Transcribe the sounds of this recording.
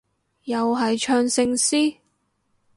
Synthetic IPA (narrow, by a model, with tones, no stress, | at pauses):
jɐ˨wɦɐ˨jt͡ʃʰœː˧ŋsɪ˧ŋsiː˥